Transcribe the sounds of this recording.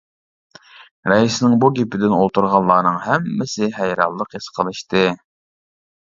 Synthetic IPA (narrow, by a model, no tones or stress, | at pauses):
ɾɛisnɪŋbuɡʲepɪd̪ɪnolˠt̪uɾʁɑlˠːɑːnɨŋɦɛmːɪsɪɦæjɾɑ̰lˠːəqesə̥qʰəlˠɨʃt̪ʰɨ